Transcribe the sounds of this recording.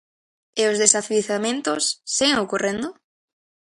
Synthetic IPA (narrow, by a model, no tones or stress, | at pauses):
eozðesaθiθamẽnt̪osːiɣeŋokorend̪ʊ